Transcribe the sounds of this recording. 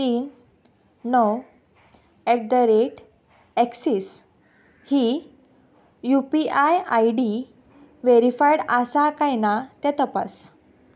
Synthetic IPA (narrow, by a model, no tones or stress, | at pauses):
t̪iːnː | ɔ | ɛʈ̚d̪əɾeʈ | ɛksiːs | hi | jupiajajɖi | ʋeɾifajɽasakajnat̪ɛ̃t̪əpa̰s